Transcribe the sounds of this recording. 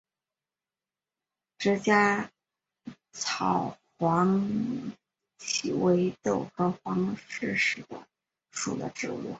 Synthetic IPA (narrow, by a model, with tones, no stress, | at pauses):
ʈ͡ʂɻ̩˧˥t͡ɕja˥ | t͡sʰɑ˨˩ʊxwɑ˧˥ŋ | t͡ɕʰi˨˩we˧˥ɪt̪o˥˩ʊxɤ˧˥xwɑ˧˥ŋʂɻ̩˥˧ʂɻ̩˨˩d̪ə̰˦ | ʂṵ˨˩d̪ə̰˦ʈ͡ʂɻ̩˥˧ṵ˥˩